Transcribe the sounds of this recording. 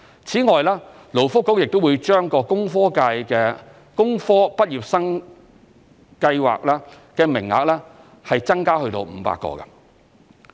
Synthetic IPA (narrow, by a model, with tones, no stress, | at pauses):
t͡sʰiː˨˥ŋɔː˨jlaː˥ | lo˨˩wfʊ˥kːo˨˥wjɪ˨k̚t̪o˥wuː˨˧jt͡ʃœː˥ŋkɔː˧kʊ˥ŋfɔː˥ka˧jkɛː˧ | kʊ˥ŋfɔː˥pɐ˥t̚jiː˨p̚sɐ˥ŋ | kɐ˧jwa̰ː˨k̚laː˥ | kɛː˧mɪ̰˨˩ŋa̰ː˨k̚lɛː˥ | hɐ˨jt͡sɐ˥ŋkaː˥hɵ˧ɥt̪o̰˧wm̩ː˨˧pa̰ː˧kːɔ̰ː˧ɡɐ̰˧˩